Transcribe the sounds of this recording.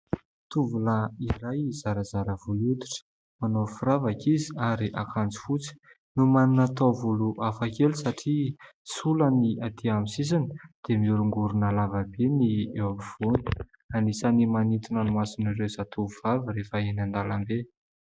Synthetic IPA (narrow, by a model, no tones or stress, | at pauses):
t̪uvulaiɾajzaɾazaɾəvulut̪i̥ʈ͡ʂə̥ | manofuɾavakiziaɾiʔakʰand͡zi̥fut͡si̥ | numanunat̪ovuluʔafakelisaʈ͡ʂisuləniat̪ʰiamisis̬anə̥d̪̥emiuɾuŋɡuɾunalavabeniewamiv̥oni̥ | anisanimanit̪inanumasinirewz̥at̪uvuvaviɾefəenand̪alambe